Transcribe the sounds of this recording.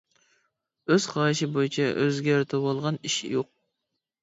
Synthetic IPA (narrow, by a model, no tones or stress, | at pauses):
øz̥χɑjʃɪbojit͡ʃʰɛʔøzɡʲɛɾt̪ʰɪbolˠʁɑniʃjoq̚